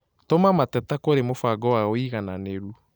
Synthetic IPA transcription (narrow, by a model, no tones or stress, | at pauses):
tomamatɛtakoɾemofaɡɔwaoiɣananeɾu